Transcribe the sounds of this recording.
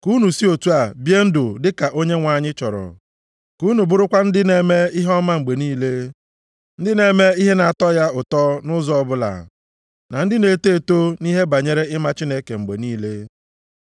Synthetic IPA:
ku˦nu˨si˦o˨tu˦a˨bje˦n̩˦dʊ˨dɪ˦ka˨ʔo˦ɲe˦ŋʷa˨ɲɪ˦t͡ʃɔ̰˨ɾɔ̰˨ | ku˦nu˨bʊ˦ɾʊ˦kʷa˦n̩˦dɪ˦ne˨me˦i˦ɦɔ˦ma˦ŋ͡m̩˨ɡ͡be˨niː˦le˦ | n̩˦dɪ˦ne˨me˦i˦ɦe˦na˨a˨tɔ˦ja˦ʊ˨tɔ˦nʊ˦zɔ˦ɔ˦bʊ˦la̰˨ | na˨n̩˦dɪ˦ne˨te˦˨to˦ni˦ɦe˦ba˨ɲe˦ɾe˦ɪ˦ma˦t͡ʃi˦ne˦ke˨ŋ͡m̩˨ɡ͡bḛ˨niː˦le˦

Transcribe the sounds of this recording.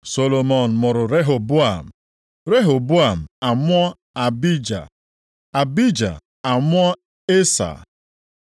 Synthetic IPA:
so˨lo˨mo˨n̩˨mʊ˨ɾʊ˨ɾe˦ɦo˨bu˦a˨m̩˨ | ɾe˦ɦo˨bu˦a˨m̩˨a˨mʊ˦ɔ˦ | a˨bi˦d͡ʒa̰˨ | a˨bi˦d͡ʒa̰˨ | a˨mʷ˦ɔ˦ | e˦sa̰˨

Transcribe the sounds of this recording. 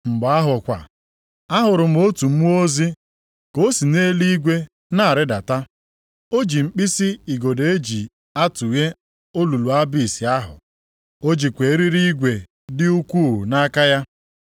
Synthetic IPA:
ŋ͡m̩˨ɡ͡ba˦ɦʊ˨kʷa̰˨ | a˦ɦʊ˨ɾʊ˨m̩˦o˦tu˨m̩˦mu˦o˦zi˦ | ko˦si˨ne˦li˦ɡʷe˦ | na˦˨ɾɪ˦da˨ta˦ | o˦d͡ʒi˨ŋ͡m̩˨k͡pi˦si˦i˨ɡo˨de˨e˦d͡ʒi˨ | a˦tu˨je˦ | o˦lu˨lu˨a˦bi˦˨si˨a˦ɦʊ̰˨ | o˦d͡ʒi˨kʷe˨˦ɾi˦ɾi˦ɡʷe˨ | dɪ˦u˦kʷuː˦˨na˦ka˦ja˦

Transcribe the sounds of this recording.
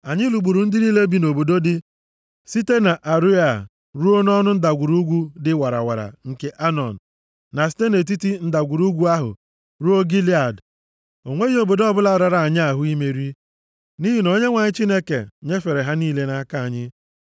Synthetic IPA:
a˨ɲɪ˦lu˨ɡ͡bu˨ɾu˨n̩˦dɪ˦niː˦le˦bi˨no˨bo˨do˦dɪ˦ | si˦te˦na˨ʔa˨ɾu˦a˨ | ɾu˦o˦n˦ɔ˦nʊ˦n̩˦da˨ɡʷu˨ɾu˦ɡʷu˦dɪ˦wa˨ɾa̰˨wa̰˨ɾa̰˨ŋ̩˨ke˨ʔa˦nɔ˨n̩˨ | na˨s̬i̥˦te˦ne˨t̬i˦ti˦n̩˦da˨ɡʷu˨ɾu˦ɡʷu˦a˦ɦʊ̰˨ | ɾu˦o˦ɡi˦li˦a˨d | o˨ŋʷe˦i˦o˨bo˨dɔ˦bʊ˦la˨ɾa˨ɾa˨a˨ɲɪ˦a˨ɦʊ˦i˦me˨ɾi˦ | ni˦ɦi˦no˦ɲe˦ŋʷa˨ɲɪ˦t͡ʃi˦ne˦kḛ˨ɲe˦fe˨ɾe˨ɦa˦niː˦le˦na˦ka˦˨a˨ɲɪ˦

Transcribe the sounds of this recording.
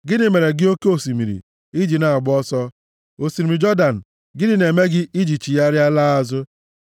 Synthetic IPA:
ɡɪ˦nɪ˨me˨ɾe˨ɡɪ˦o˦ke˦o˨si˨mi˨ɾḭ˨ | i˦d͡ʒi˨na˨a˨ɡ͡bɔ˦sɔ˦ | o˨si˨ɾi˨mi˨d͡ʒɔ˦da˨n̩˨ | ɡɪ˦dɪ˦ne˨me˦ɡɪ˦ʔi˦d͡ʒi˨t͡ʃi˨ja˦ɾja˦la˦a˦˨zʊ˦

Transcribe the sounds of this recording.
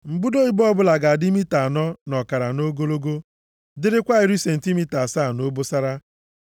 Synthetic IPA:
m̩˨bu˦do˦i˦bɔ˦bʊ˦la˨ɡa˨a˨di˦mi˦ta˨nɔ˦nɔ˨ka˨ɾa˨no˦ɡo˦lo˦ɡo˦ | dɪ˦ɾɪ˦kʷa˦ɪ˨ɾi˦se˨n̩˨ti˦mi˦ta˨sa˦˨no˦bo˦sa˦ɾa˦

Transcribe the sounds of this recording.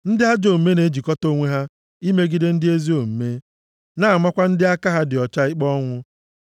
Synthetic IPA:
n̩˦dɪ˦ɦa˦d͡ʒo˨m̩˨me˦ne˨˦d͡ʒi˨kɔ˦to˨˦˨ŋʷe˦ɦa˦ | i˦me˦ɡi˦de˦n̩˦dɪ˦e˦zi˦o˨m̩˨me˦ | na˦˨a˨ma˦kʷa˦n̩˦dɪ˦a˦ka˦ɦa˦dɪ˨ɔ˨t͡ʃa˦ɪ˦k͡pɔ˦ŋʷʊ˦

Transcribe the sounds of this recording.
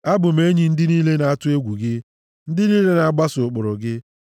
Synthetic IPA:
a˦bʊ˨m̩˦e˦ɲi˨n̩˦dɪ˦niː˦le˦na˨a˦tʊ˦e˦ɡʷu˨ɡɪ˦ | n̩˦dɪ˦niː˦le˦na˨a˦ɡ͡ba˦sʊ˨k͡pʊ˨ɾʊ˨ɡɪ˦

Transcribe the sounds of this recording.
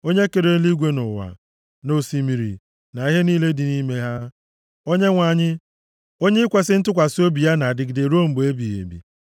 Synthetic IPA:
o˦ɲe˦ke˨ɾe˦li˦ɡʷe˦nʊ˨wa̰˨ | no˨si˨mi˨ɾḭ˨ | na˨i˦ɦe˦niː˦le˦dɪ˨ni˦me˦ɦa˦ | o˦ɲe˦ŋʷa˨ɲɪ˦ | o˦ɲe˦kʷe˨sɪ˦n̩˦tʊ˦kʷa˨so˦bi˨a˦na˨dɪ˨ɡde˨ɾu˦o˦m̩˨bo˨e˦bi˨ḛ˨bḭ˨

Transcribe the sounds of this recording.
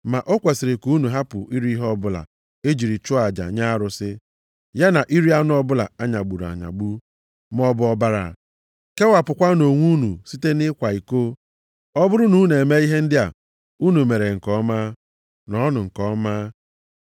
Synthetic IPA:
ma˨ʔo˦kʷe˨sɪ˨ɾɪ˨ku˦nu˨ɦa˦pʊ̰˨ʔi˦ɾi˦i˦ɦɔ˦bʊ˦la̰˨ | e˦d͡ʒi˨ɾi˨t͡ʃʊ˦a˨d͡ʒa̰˨ɲa˦ɾʊ˨sɪ˦ | ja˦na˨ʔi˦ɾi˦a˦nʊ˦ɔ˦bʊ˦la̰˨a˦ɲa˨ɡ͡bu˨ɾa̰˨ɲa̰˨ɡ͡bu˦ | m˦ɔ˦bʊ˦ɔ˦ba˦ɾa̰˨ | ke˦wa˨pʊ˨kʷa˦no˨ŋʷu˦nṵ˨si˦te˦nɪ˦kʷa˨i˨ko˦ | ɔ˦bʊ˦ɾʊ˦nu˦ne˨me˦i˦ɦe˦n̩˦dɪ˦a̰˨ | u˦nu˨me˨ɾe˨ŋ̩˨kɔ˨˦ma˦ | nɔ˨˦nʊ˨ŋ̩˨kɔ˦maː˦

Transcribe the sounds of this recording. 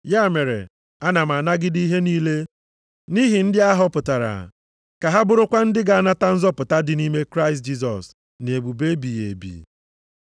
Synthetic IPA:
ja˦˨me˨ɾḛ˨ | a˦na˨m̩˨a˨na˦ɡɪ˦di˦ɦe˦niː˦le˦ | ni˦ɦi˨n̩˦dɪ˦a˦ɦɔ˦pʊ˨ta˨ɾa̰˨ | ka˨ɦa˦bʊ˨ɾʊ˦kʷa˦n̩˦dɪ˦ɡa˨a˦˨na˦ta˦n̩˦zɔ˦pʊ˨ta˦dɪ˨ni˦me˦kɾa˦ɪ˨s̬t̚d͡ʒi˦s̬ɔ˨s | n˨e˨bu˨be˦bi˨je˨bḭ˨

